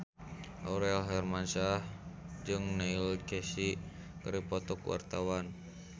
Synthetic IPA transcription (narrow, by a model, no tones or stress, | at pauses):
ʔaɾɛlɦɛrmansahd͡ʒɨŋnailkɛsi | kəɾipɔt̪ɔkwa̰rt̪awan